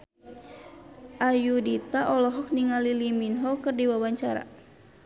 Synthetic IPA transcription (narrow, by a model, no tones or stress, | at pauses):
ʔajudit̪aʔɔlɔɦɔk̚niŋaliliminɦɔkɨrdiwabaɲt͡ʃaɾa̰